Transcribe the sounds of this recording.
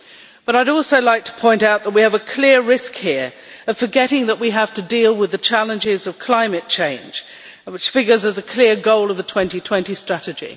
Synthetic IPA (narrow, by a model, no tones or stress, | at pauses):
b̥ʌɾaɪɾɔˑlˠsoʊlaɪk̚tʰə̥pʰɔ̃ɪ̃ntaʊt̪̚ðət̚wiɨvɨkʰl̥ɪəɹɪskhɪɹ | ʌv̥fə˞ɡɛɾɪ̃ŋðəʔ̚wiɦæftɨdilˠwɨðɨət͡ʃʰælˠɨ̃nd͡ʒɪzʌv̥kʰl̥ãɪ̃mɨt̚t͡ʃʰẽɪ̃nd͡ʒ | wɨt͡ʃfɪɡjə˞zɨzɨkʰl̥ɪəɹɡoʊlˠʌvðətʰw̥ɛ̃ntitʰw̥ɛ̃ntistɹ̥æɾɨd͡ʒḭ